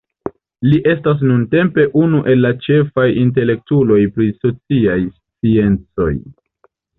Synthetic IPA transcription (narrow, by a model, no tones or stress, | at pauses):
liʔe̞stas̬nunte̞mpe̞ʔunuʔe̞lːat͡ʃe̞fajint̬e̞le̞k̚tulo̞jpɾiso̞t͡siajst͡sie̞nt͡so̞j